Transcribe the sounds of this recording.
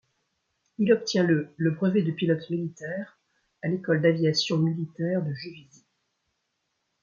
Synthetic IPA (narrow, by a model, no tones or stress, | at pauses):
ilɔpt̪jɛ̃lələbʁəved̪əpilɔt̪milit̪ɛːʁ | alekɔld̪avjasjɔ̃milit̪ɛʁd̪əʒøvizi